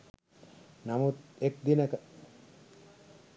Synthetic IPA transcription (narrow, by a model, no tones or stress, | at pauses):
namut̪ek̚d̪inəkə